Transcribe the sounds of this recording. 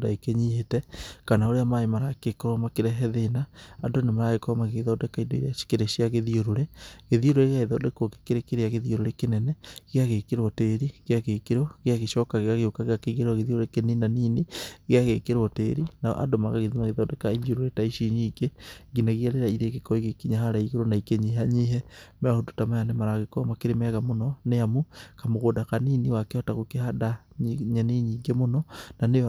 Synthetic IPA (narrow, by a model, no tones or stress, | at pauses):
daekeɲietɛkanaoɾeamaemaɾakekoɾɔmakeɾɛɦɛðenaːdonemaɾaɣekoɾɔmaɣeðadɛkaidoiɾḁkeɾeʃiaɣeðioɾoɾeɣeðioɾoɾeɣeaiðadekoke̥keɾekeɾeaɣeðioɾoɾekenɛnɛɣeaɣekeɾɔteɾiɣeaɣekeɾoɣeaɣeʃɔkaɣeaɣeokaɣeakeɣeɾaɣeðioɾoɾekeninaniːneɣeaɣekeɾɔteɾina̰ʔa̰domaɣaɣeðimaɣeðɔdɛkaiɲoɾoɾetaiʃiɲiɡeɡinaɣiaɾeɾaiɾekekɔiɣekiɲaɦaɾaiɣeɾonaikeɲiɦaɲiɦɛmeahotu̥tamajanɛmaɾaɣekɔmakeɾemɛɣamonɔneamukamoɣoːdakaniːniwakeɔtaɣokehada | ɲaniɲiːŋɡemonɔnanej